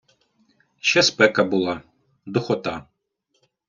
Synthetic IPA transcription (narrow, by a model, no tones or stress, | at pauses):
ʃɛspɛkɐbulˠɑ | d̪ʊxɔt̪ɑ